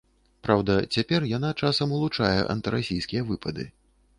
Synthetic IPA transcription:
pɾawd̪ɐt͡sʲapʲɛrjan̪at͡ʂasɐmulˠut͡ʂajɛ̰ʔɐ̰nt̪ɨɾasʲijskʲijɐvɨpɐd̪ɨ̰

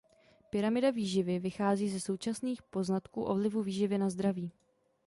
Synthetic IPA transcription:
pɪɾamɪdaviːʒɪvɪvɪxaːziːzɛso̞wt͡ʃasniːxpo̞znat̪kṵːʔo̞vlɪvuviːʒɪvɪnazd̪ɾaviː

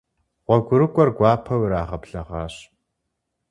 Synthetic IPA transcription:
ʁʷɔɡʷʊɾɨkʷʼɔrɡʷɑːpʰɐwɾaːʁɐpɬɐʁɑːɕ

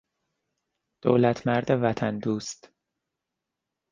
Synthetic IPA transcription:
d̪̥o̰ːlæt̪ʰmæɾd̪evæt̪ʰænd̪uːst̪

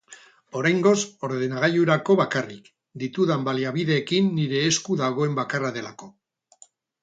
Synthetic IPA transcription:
o̞ɾajŋɡo̞so̞ɾðe̞naɣ̞ajuɾako̞βakarik | d̪it̪uðambaliaβiðe̞ːkinːiɾe̞ːskuðaɣ̞o̞e̞mbakaraðe̞lako̞

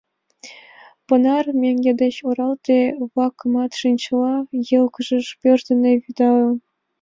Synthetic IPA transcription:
pɤ̆nɑrmʲeŋʲɡʲed̪ʲɘ̆ɕuɾɑlˠt̪ʲeβɑkmɑt̪ʂɯnʲt͡ɕɤ̆lˠɑjɤlˠkɤ̆ʐɤ̆ʂpʲørt̪ʲɘ̆nʲĕvʲid̪ɑlɤ̆

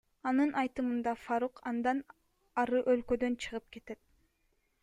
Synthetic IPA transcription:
ɑnɯnʔɑjt̪ɯmɯnd̪ɑfaɾuqʰɑnd̪ɑn | ɑɾɯʔølkø̞d̪ø̞nt͡ʃʰɯʁɯp̚ke̞t̪e̞t̪̚

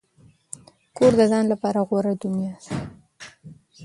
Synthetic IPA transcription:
koɾd̪əzɑnlapɑɾaɣwaɾad̪ʊnjɑs

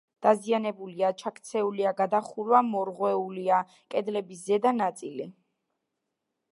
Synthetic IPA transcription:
d̪̥azianɛbuliat͡ʃʰakʰt̪sʰɛuliaɡad̪aχuɾwamɔɾʁwɛulia | kʼɛd̪lɛbiszɛd̪anat̪sʼili

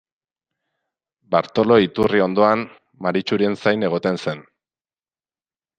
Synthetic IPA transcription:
baɾt̪o̞lo̞it̪urio̞nd̪o̞an | maɾit͡ʃuɾie̞nsajne̞ɣ̞o̞t̪e̞nse̞n

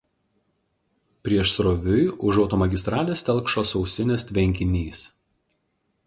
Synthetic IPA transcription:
pʲɾʲiɛʃsɾɔʋʲʊjʊʒɒʊt̪ɔːmɐɡʲɪst̪ɾɑːlʲeːsʲt̪ʲɛlˠkʃoːsɒʊsʲɪnʲesʲt̪ʲʋʲɛŋʲkʲɪnʲiːs

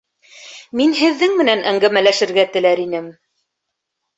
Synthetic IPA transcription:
minɦɘ̆ðːɘŋmɘ̆nænæŋɡæmælæʃɘ̆ɾɡæt̪ɘ̆læɾinɘm

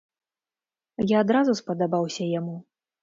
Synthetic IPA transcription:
jaːd̪ɾazuspɐd̪abawsʲɐjamu

